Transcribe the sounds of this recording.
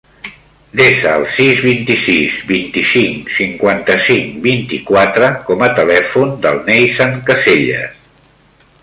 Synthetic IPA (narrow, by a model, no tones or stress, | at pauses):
d̪eʃəːlˠsizβint̪isizbint̪isiŋsiŋkwant̪əsiŋbint̪ikwat̪ɾəkɔmət̪əlɛfund̪ə̰lˠnejsaŋkəseʎə̰s